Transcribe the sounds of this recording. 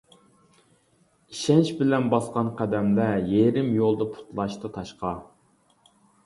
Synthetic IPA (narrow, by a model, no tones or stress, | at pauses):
iʃɛnʃbɪlɛnbɑsqɑnqʰæd̪ɛmd̪ɛjeɾɪmjolˠd̪ɨpʰu̥t̪lˠɑʃt̪ɨt̪ʰɑʃqɑ